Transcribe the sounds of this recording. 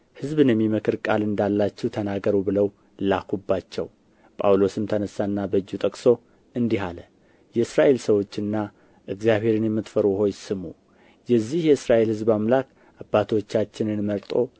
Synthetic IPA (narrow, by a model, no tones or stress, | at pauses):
hɨzβɨnjɛmːiməkʰɨɾkʼalɨnd̪alːat͡ʃːɛwt̪ʰənaɡəɾubɨləw | lakʰubːat͡ʃːɛ̰w | pʼawlo̞sɨmt̪ʰənəsːanːabəd͡ʒːut̪ʼəkʼso̞ | ɨnd̪iɦalə | jɛɨsɾaʔe̞lsəwo̞t͡ʃːɨnːa | ʔɨɡzjaβhe̞ɾɨnjɛmːɨt̪fəɾuɦo̞jɪsɨmu | jɛzːihjɛɨsɾaʔe̞lhɨzbamlak | ʔabːat̪ʰwot͡ʃːat͡ʃːɪnɨnməɾt̪ʼo̞